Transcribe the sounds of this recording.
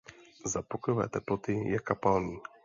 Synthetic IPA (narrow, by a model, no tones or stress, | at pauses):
zapɔkɔjɔvɛ̰t̪ɛplɔt̪ɪjɛkapalni